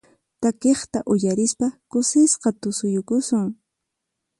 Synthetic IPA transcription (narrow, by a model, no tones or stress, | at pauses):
t̪akeχt̪aʔʊjaɾɪspakʊsɪsqɑt̪ʊsʊjʊkʊsʊŋ